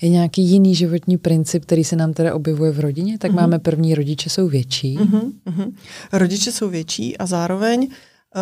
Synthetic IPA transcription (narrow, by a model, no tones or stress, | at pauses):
jɛɲaːkiːjɪniːʒɪvo̞t̪ɲiːpɾɪnt͡sɪp̚k̚t̪ɛɾiːsɛnaːmt̪ɛdaʔo̞bjɛvujɛvɾo̞ɟɪɲɛt̪akmaːmɛpr̩vɲiːɾo̞ɟɪt͡ʃɛso̞wvjɛt͡ʃiːɦɦ̩ɾoɟɪt͡ʃɛso̞wvjɛt͡ʃḭːʔazaːɾovɛɲ